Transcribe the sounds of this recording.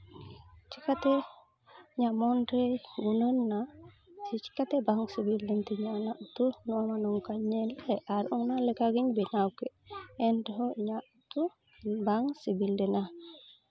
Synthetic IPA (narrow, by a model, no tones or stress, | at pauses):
t͡ʃʰikat̪ɛ | iɲaʔmɔnʈɾɛɡunənːa | sit͡ʃi̥kat̪ɛbaŋsibildɛnt̪ɛiɲaʔnaʔut̪unɔwamanɔŋkaɲɛlajʔaɾʔɔŋnalɛkaɡiɲbɛnawkɛʔɛntɔɦɔiɲaʔut̪u | baŋsibildɛna